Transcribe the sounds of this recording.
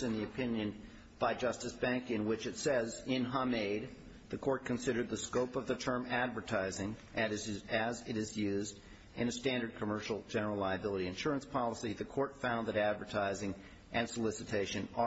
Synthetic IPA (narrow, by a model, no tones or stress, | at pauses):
ɨ̃nðiɨpʰɪ̃njɨ̃n | b̥aɪd͡ʒʌstɨsb̥æ̃ŋkɨ̃nwɪt͡ʃɨtsɛzɪ̃nɦɑmeɪd̪̚ | ðɨkʰɔɹt̚kʰɨ̃n̩sɪɾə˞d̪̚ðɨskoʊpʌvðɨtʰɜ̃˞mædvə˞tʰaɪzɪ̃ŋʔɨzɨzɪɾɨzjʉzd | ɨ̃nɨstæ̃ndə˞d̚kʰəmɜ˞ʃl̩ˠd͡ʒɛnə˞l̩ˠlaɪɨbɪlˠəɾiɨ̃nʃʊɹɨ̃nspʰɑlˠəsiðɨkʰɔɹtfãʊ̃nðɨɾædvə˞tʰaɪzɪ̃ŋ | ʔɨ̃nsəlɪsɨtʰeɪʃɨ̃nə